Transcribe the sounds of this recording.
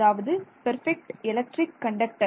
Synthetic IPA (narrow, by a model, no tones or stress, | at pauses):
aːʋɐðɯpɐɾfɛk̚ʈɪlɐk̚ʈɾɪkːɐɳɖɐk̚ʈɐ